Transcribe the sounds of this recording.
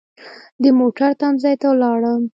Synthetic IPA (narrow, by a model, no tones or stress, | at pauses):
d̪əmoʈaɾt̪anzɑjt̪awlɑɽəm